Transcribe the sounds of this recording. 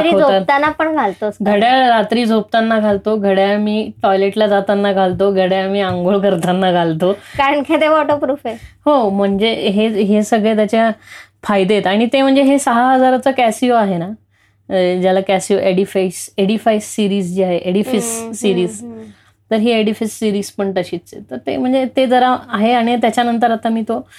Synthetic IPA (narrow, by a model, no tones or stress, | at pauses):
ɾiod͡zʱoat̪anːapəɳɡʱalt̪osɡʱəɽjaɾat̪ɾiːd͡zʱop̚t̪anːaɡʱalt̪oɡʱəɽjamiːʈɔjleʈlad͡zat̪anːaɡʱalt̪oɡʱəɽjamiːãŋɡoɭkəɾt̪anːaɡʱalt̪okaɾəɳkʰẽt̪eʋɔʈopɾufehom̤əɳd͡zeɦeɦesəɡɭet̪jat͡ɕja | fajd̪et̪aɽ̃it̪em̤əɳd͡zeɦesəɦaɦəd͡zaɾat͡səkæsioaɦena | d͡ʑjalakæsioʔeɽifaiseɽifaissiɾiːsd͡ʑiːaɦeʔeɽifisːiɾiːs | t̪əɾɦeeɽifisːiɾiːspəɳʈəɕiːtt͡sḛt̪əɾt̪ḛm̤əɳd͡zet̪ed͡zəɾaaɦeaɽ̃it̪jat͡ɕjanənt̪əɾat̪amiːt̪o